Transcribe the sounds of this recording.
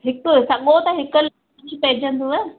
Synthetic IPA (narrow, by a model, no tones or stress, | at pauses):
ɦɪkosɐɠot̪ɐɦɪkəl | d͡ʑʰpɐɦɪ̃d͡ʑə̃nd̪uɛ